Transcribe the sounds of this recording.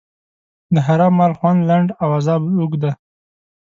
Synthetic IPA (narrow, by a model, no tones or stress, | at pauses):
d̪əɦaɾɑmːɑlxwand̪laɳɖawazɑbuɡd̪a